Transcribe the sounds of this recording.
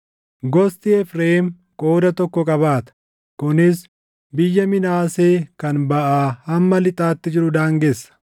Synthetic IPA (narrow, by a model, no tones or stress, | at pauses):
ɡɔst̪ɪɛfɾeːɪm | kʼo̞ːd̪ɐt̪ɔkːɔkʼɐβaːt̪ɐ̥ | kʊnɪs | bɪjːɐmɪnaːseːkɐnbɐʔaːɐmːɐlɪt̪ʼaːt̪ːɪd͡ʒɪɾʊd̪aːŋɡɛsːɐ̥